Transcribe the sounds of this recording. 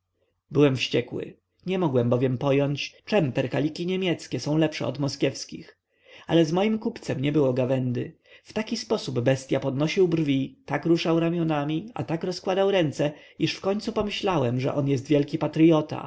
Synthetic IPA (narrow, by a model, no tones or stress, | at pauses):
bɘwɛmfɕt͡ɕɛkwɘ̰ | ɲɛmɔɡwɛmbɔvʲjɛmpɔjɔɲt͡ɕt͡ʂɛmpɛɾkalʲikʲiɲemʲjɛt̪skʲɛsɔ̃w̃lɛpʂɛ̰ɔ̰d̪mɔskʲjɛfskʲḭx | ʔa̰lɛzmɔjimkupt̪sɛmɲɛbɘwɔɡavɛnd̪ɘ | ft̪akʲispɔsubbɛst̪ʲjapɔd̪nɔɕiwbrvʲit̪akɾuʂawɾamʲjɔnamʲia̰t̪akɾɔskwad̪awɾɛnt̪sɛiʂfkɔɲt̪supɔmɘɕlawɛmʐɛ̰ʔɔnjɛs̬t̪vʲjɛlkʲipat̪ɾɘjɔt̪a̰